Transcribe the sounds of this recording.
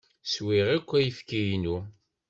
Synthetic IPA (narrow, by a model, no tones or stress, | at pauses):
swiʁikʷːæjəfkijnu